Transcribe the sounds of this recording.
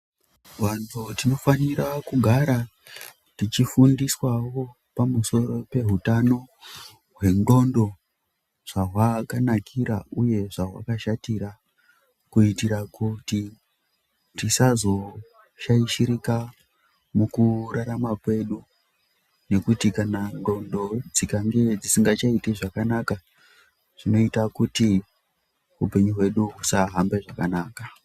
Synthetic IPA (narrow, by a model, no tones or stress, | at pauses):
wantʰutino̞faniɾakuɡʱaɾa | tit͡ʃifundiswawo̞ | pamuso̞ɾo̞pe̞ɦutano̞ | ɦwe̞ŋɡo̞ndo̞ | ʐ̥aɦwakanakʰiɾa̰uje̞ʐaɦwa̰kaʃatiɾa | kuitiɾakuti | tisazo̞ | ʃaiʃiɾika | mukuraɾamakwe̞ɗu | ne̞kutikanando̞ndo̞d͡zikaŋɡe̞d͡zisiŋɡat͡ʃaiteʐakanaka | ʐ̥ino̞itakuti | upe̞ɲuɦwe̞ɗuɦusaɦambe̞ʐakanaːka